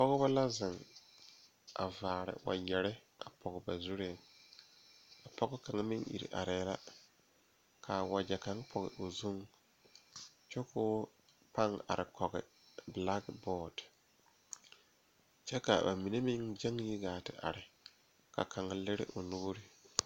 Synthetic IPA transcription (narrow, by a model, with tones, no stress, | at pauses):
pɔ˦ɣɪ˦ba˦la˦zɪ˨ŋ | ʔa̰˨vaː˨ɾɪ̰˨wa̰˨jɛ˨ɾɪ˦a˨pʰɔ˨ɣɪ˨ba˨zu˦ɾe˦˨ | a˨pɔ˦ɡɪ˦ka˨ŋa˦mɪ˦ŋʔḭ˨ɾḭ˨ʔa̰˨ɾɛː˨˦la˦ | kʰa˨wa˨d͡ʒɛ˨ka˨ŋ˦pʰɔ˨ɣɪ̰˨ʔo˨zu˦ŋ | t͡ʃɔ˦koː˦ | pa˦ŋa̰˨ɾɪ˨kʰɔ˨ɣɪ̰˨ | bla˦ɡbɔː˦d | t͡ʃɛ˦ka˨ba̰˨mi˨ne˦mɪ˦ŋd͡ʒɛ˦ŋ˦i˦ɡaː˨tɪ˨ʔa˨ɾɪ˨ | ka̰˨kʰa˨ŋa˦lɪ˦ɾɪ̰˦ʔo˨nʊ˦ɡɾɪ˦